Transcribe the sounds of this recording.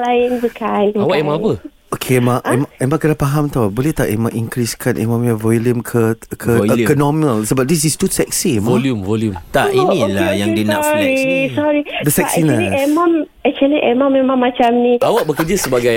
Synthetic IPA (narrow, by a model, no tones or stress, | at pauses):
laɪnsəkʰanawaʔɛmãapə | okʰemaɛmaɛmãkənapaɦamt̪awbolɛt̪aʔemãŋʔiŋkɾiskʰanʔḛmãmjavɔliəmkʰəkʰəkənɔminalsəbap̚d̪is̬istusɛk̚siɛmaljumvoljumt̪aʔinilajaŋdinãʔɾisɔɹid̪əsɛksit͡ʃnaliɛmãmɛk̚t͡ʃualiʔɛmãmːẽmãŋmːat͡ʃamnĩawaʔbəkəd͡ʒasəbaɡaj